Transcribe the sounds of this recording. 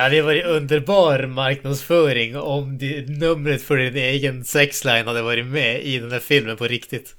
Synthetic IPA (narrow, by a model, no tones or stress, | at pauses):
jɑːd̪ɛʋɑːɾɛɵnd̪əɾbɑːɾmɑɾknɑd̪sfœːɾɪŋɔmd̪ɪnɵmːɾət̪fɔɖɪneːɡənsɛkslaɪnhɑd̪ːəʋɑːɾɪmɛɪd̪ɛnd̪æːɾfɪlmənpʰɔɾɪkt̪ɪt̪